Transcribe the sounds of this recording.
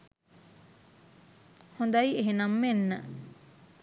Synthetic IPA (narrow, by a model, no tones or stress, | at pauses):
hond̪ɐieɦenɐmːenːə